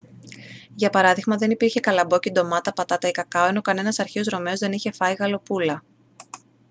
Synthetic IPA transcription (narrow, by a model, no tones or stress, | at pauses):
ʝɐpɐɾɐðiɣmɐðe̞nipiɾçe̞kɐlɐbo̞cid̪o̞mɐt̪ɐpɐt̪ɐt̪ɐikɐkɐoe̞no̞kɐne̞nɐsɐɾçeo̞zɾo̞me̞o̞zðe̞niçe̞fɐiɣɐlo̞pulɐ